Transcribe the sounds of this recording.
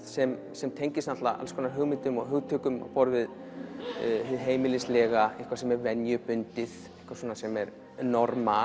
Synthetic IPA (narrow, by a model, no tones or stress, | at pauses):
sɛm | sɛmt̪ʰejɲcɪsnat̪laa̰lskʰɔːnaɾɦʏɣmɪnt̪ʏmɔɣɦʏɣt̪ʰʏːkʏmɔ̰pɔɾvɪð | hɪðɦeːjmɪlɪslɛːɣaihkvḁsɛmɛɾvɛnjʏpʏnt̪ɪθ | ɪ̥hkvḁswɔːnasɛmɛɾ | nɔɾma